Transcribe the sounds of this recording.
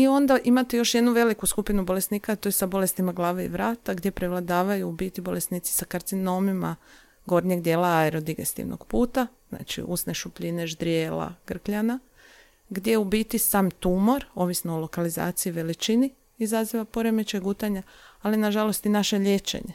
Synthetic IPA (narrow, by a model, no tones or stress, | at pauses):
io̞nd̪aʔimat̪ejo̞ʃje̞d̪nuʋe̞likuskupinubo̞le̞sniːkat̪o̞jesabo̞le̞st̪imaɡlˠaːʋeḭʋɾaːt̪aɡd̪ʲje̞pɾeʋlˠad̪aːʋajuːbiːt̪ibo̞le̞sniːt̪si̥sakaɾt̪sino̞mima̰ | ɡo̞ɾɲeɡd̪jeːlaaeɾo̞d̪iɡe̞̰st̪ḭʋnoɡ̥puːt̪azna̰ːt͡ʃḭʔṵsne̞ʃupʎineʒd̪ɾijeːla̰ɡ̥r̩kʎana | ɡd̪jeubiːt̪isaːmt̪umo̞ɾo̞ʋisnoolo̞kaliza̰ːt̪siiʋe̞lit͡ʃini | izaziʋapo̞ɾe̞mit͡ʃeɡut̪aɲa | alinaʒalo̞st̪inaʃe̞ʎe̞t͡ʃḛɲe